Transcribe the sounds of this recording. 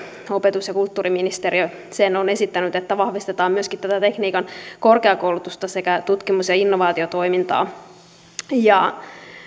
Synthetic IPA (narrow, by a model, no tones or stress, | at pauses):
o̞pet̪usjɑkult̪ːuːriminist̪eriø | senone̞sit̪ːænyt̪et̪ːæʋɑhʋist̪et̪ɑːmmyøskit̪t̪æt̪æt̪e̞kniːkɑnkorkeɑkoulut̪ust̪ɑse̞kæt̪ut̪kimusjɑinːoʋɑːt̪iot̪o̞imint̪ɑ̰ː | jɑ